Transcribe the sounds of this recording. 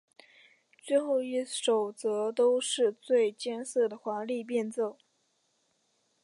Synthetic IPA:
t͡swe˥˧ɪxo˥˧ʊi˥˩ʂo˨˩ʊt͡sɤ˧˥t̪o˥ʊʂɻ̩˥˧t͡swe˥˧ɪt͡ɕjɛ˥nsɤ˥˩d̪ə˩xwa˧˥nli˥˧p̬jɛ˥˧nt͡so˥˩ʊ

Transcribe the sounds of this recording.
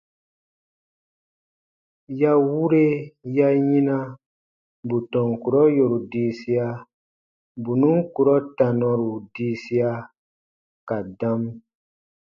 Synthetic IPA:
ja˦wu˦ɾe˦ja˦jĩ˦na˦ | bu˨tɔ̃˨ŋ˨ku˨ɾɔ˦jo˨ɾu˨diː˦si˦a˦ | bu˨nũ˦ŋ˦ku˨ɾɔ˦ta˨nɔ̃˧ɾu˨diː˦si˦a˦ | ka˨dã˦m

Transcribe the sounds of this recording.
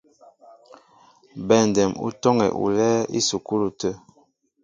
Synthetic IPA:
bɛ˨n˨dɛ˨mṵ˦tɔ˦ŋɛ̰˨ʔṵ˨lɛ˦ḭ˦su˨ku˦lu˨tə˦

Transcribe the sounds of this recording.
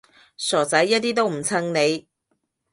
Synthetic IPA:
sɔː˨˩t͡sɐ˨˥jːɐ˥t̚t̪iː˥t̪o˥wm̩˨˩t͡sʰɐ˧ŋne˨˧j

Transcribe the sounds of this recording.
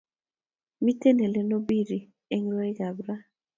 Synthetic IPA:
mi˦te˦nɛ˨lɛ˨˦no˦bi˦ɾi˨ | e˦ŋɾɔ˦e˦ɡa˨bɾa˦

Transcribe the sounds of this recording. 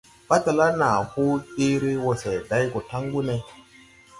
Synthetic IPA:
ba˦ta˨la˦na˨hu˦i˦ɾi˦wo˨se˨da˨˦jko˨ta˦ŋɡu˦ne˨

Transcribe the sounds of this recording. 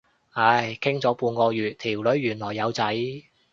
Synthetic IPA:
hɐ˨˧˩jkʰɪ˥ŋt͡sɔː˨˥puː˨˧nkɔː˧jyː˨t̚t̪ʰiː˨˩wlɵ˨˥ɥːyː˨˩nlɔː˨˩jːɐ˨˧wt͡sɐ˨˥j

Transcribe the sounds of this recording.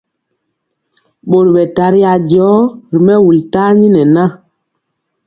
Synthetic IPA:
ɓo˨ɾɓɛ˨ta˨ɾi˦a˨d͡ʒɔ˨˦ɾi˨mɛ˦wu˨lta˦ɲi˦nɛ˨na˦

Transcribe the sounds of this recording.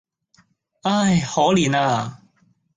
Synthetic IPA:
aː˥˩jhɔː˨˥wliː˨naː˧˩

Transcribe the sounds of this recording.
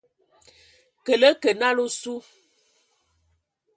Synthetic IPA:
kə˨lə˦kə˨na˦lo˦su˦

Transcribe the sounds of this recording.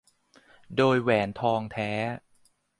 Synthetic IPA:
doː˧jwɛː˩˦nt̪ʰɔː˧ŋt̪ʰɛː˦˥

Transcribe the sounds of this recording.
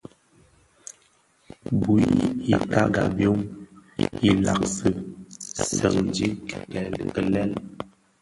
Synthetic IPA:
bṵ˨˦i˦ta˦ɡa̰˨bjo˦m | i˦la̰˨k̚sə˨ | sə̰˨ŋd͡ʒi˦kkɛ˨lə˨lɛ˦l

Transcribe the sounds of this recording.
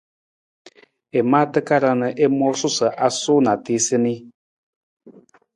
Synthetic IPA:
e˨maː˦tɨ˦ka˦ɾa˧nə˨ʔe˦mɔ˦sʊ˦sə˨ʔa˨sʊ˦na˨te˦sɨ˦ni˦

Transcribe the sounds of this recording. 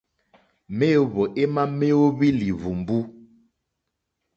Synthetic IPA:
me˦˨βo˨ʔe˦ma˦me˦o˦βi˦li˨vu˨mbu˦

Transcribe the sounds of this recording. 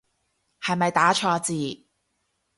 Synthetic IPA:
hɐ˨jmɐ˨jt̪aː˨˥t͡ʃʰɔː˧t͡siː˨˧

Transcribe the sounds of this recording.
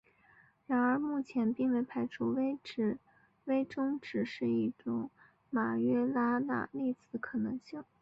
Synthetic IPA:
ɻa˧˥nə˞˧˥mu˥˩t͡ɕʰjɛ˧˥npi˥˧ŋwe˧˥˩ɪpʰa˧˥ɪʈ͡ʂʰu˥˩ | we˥ɪʈ͡ʂʊ˥ŋʈ͡ʂɻ̩˨˩ʂɻ̩˥˧i˥˩ʈ͡ʂʊ˨˧˥ŋ | ma˨˩ɥɛ˥la˥na̰˥˧li˥˩t͡sɹ̩˨˧˥kʰɤ˨˩nɤ˧˥ŋɕi˥˩ŋ

